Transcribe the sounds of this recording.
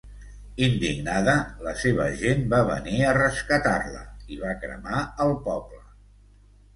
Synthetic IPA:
ind̪ḭɡnaðələseβə̰ʒembaβə̰niərəskət̪arlə̰iβakɾə̰maəlˠpɔplə

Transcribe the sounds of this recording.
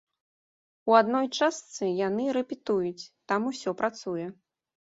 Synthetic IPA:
uad̪nɔjt͡ʂast̪sɨjanɨɾɛpʲit̪ujut͡sʲt̪amusʲɔpɾat̪sujɛ

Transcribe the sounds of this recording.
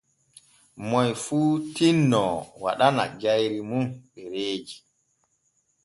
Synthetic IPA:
mɔjfuːtinːɔwa̰ɗana̰ɡajɾimunɓɛɾeːd͡ʒi

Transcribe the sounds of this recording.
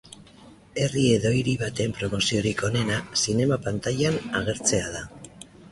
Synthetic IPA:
e̞rie̞ðo̞iɾiβat̪e̞mpɾo̞mo̞sio̞ɾiko̞ne̞nasine̞mapant̪aʎanaɣ̞e̞ɾt͡se̞að̞a

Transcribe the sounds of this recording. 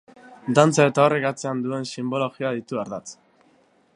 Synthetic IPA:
d̪ant͡sae̞t̪aorekat͡se̞and̪ue̞nsimbo̞lo̞ɣiaðit̪uaɾðat͡s

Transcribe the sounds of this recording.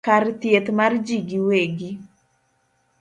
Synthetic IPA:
kart̪jet̪mard͡ʒiɡiweɡi

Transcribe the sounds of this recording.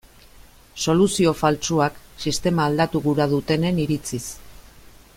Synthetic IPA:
so̞lusio̞falt͡suaksist̪e̞maːld̪at̪uɣuɾað̞ut̪e̞ne̞niɾit͡sis

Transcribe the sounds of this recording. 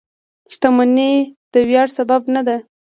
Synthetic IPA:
ʃt̪amaned̪̥əwjɑɽsababnad̪a

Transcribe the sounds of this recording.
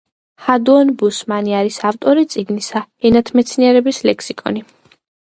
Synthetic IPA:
had̪uɔnbusmaniaɾisaft̪ʼɔɾit̪sʼiɡnisaɛnat̪ʰmɛt̪sʰniɛɾɛbislɛkʰsikʼɔ̰ni

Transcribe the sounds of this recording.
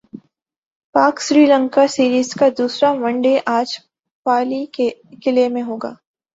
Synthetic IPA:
paːksɾiːlə̃ŋkasiːɾiːzkad̪uːsɾamɐ̃ɳɖeʔaːd͡ʒ | paːliekɪlemẽɦoːɡa̰ː

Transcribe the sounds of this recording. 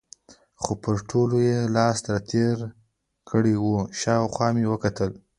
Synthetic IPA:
xopəɾʈʰolojelɑst̪ɾat̪ʰeɾ | kʰəɽewuʃɑwxwɑmewəkat̪əl

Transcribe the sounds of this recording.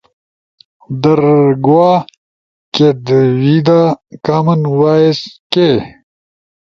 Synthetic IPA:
d̪ɐɾɡwaː | ked̪wid̪aːkaːmɐnwaːeske

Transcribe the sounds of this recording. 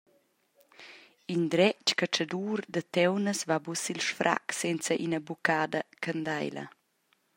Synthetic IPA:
ind̪ɾɛt͡ʃkat͡ʃəd̪uːrd̪ət̪ɛwnəsvabusilʃfɾʔa̰ksɛnt͡səʔinəbukaːd̪əkənd̪ajlɐ̰

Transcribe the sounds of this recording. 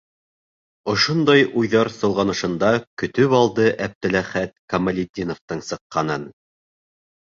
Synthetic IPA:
ŏʃond̪ɑjujðɑɾsŏlˠʁɑnɤ̆ʃɤ̆nd̪ɑkɵ̆t̪ɵβɑlˠd̪ɤʔæp̚t̪ɘ̆læχæt̪̚kɐmɐlʲid̪ʲinoft̪ɤɴsɤ̆qːɑnɤn

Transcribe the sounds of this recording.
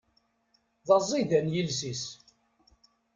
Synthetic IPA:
ðɑzˤːiðænjilsis

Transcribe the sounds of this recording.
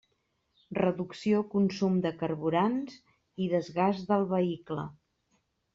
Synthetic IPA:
rəðuksiokunsumd̪əkərβuɾanz | iðəzɣazðəlˠβəiklə̰

